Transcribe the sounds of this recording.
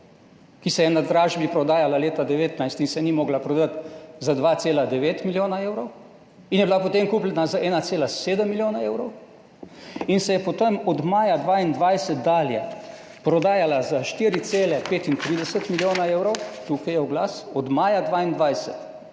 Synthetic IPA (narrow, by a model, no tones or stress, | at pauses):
kisɛjɛnad̪ɾaːʒbipɾɔd̪aːjalaleːt̪ad̪ɛʋeːt̪najst̪insɛnimɔːɡlapɾɔd̪at̪zad̪ʋaːt̪seːlad̪ɛʋeːt̪miljoːnaeːwɾɔw | injɛbilapɔt̪emkuːplɛnazaʔɛːnat̪seːlaseːd̪əmːiljoːnaewɾɔw | insɛjɛpɔt̪əmɔd̪maːjad̪ʋaːind̪ʋajsət̪̚d̪aːlja | pɾɔd̪aːjalazaʃt̪iɾit̪seːlɛpeːt̪int̪ɾiːd̪ɛsət̪miljoːnaeːwɾɔwt̪uːkajɛɔɡlasɔd̪maːjad̪ʋaːind̪ʋajsət̪